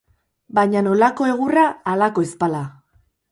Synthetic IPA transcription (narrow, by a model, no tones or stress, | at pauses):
bajɲano̞lako̞e̞ɣ̞uraːlako̞espala